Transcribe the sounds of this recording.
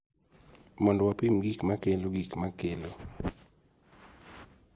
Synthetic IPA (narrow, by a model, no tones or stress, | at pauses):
mɔndɔwapimɡikmakeloɡikmakelo